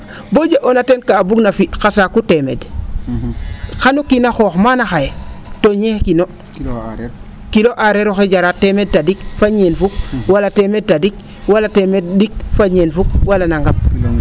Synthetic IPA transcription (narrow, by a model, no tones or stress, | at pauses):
bod͡ʒaʔonatenkaːbuɡnafixasakutemḛd | xanukinaxoːxmanaxajtoɲehkino | kiloʔaɾeɾoxed͡ʒaɾatemed̚tadikfaɲenfuk̚walatemed̚tːadik̚ | walatemeddik̚faɲenfuk̚walanaŋɡap̚